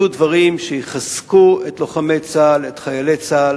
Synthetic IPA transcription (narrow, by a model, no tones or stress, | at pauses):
udvaʁimʃejiχaskuet̪loχamet͡salet̪χajalet͡sal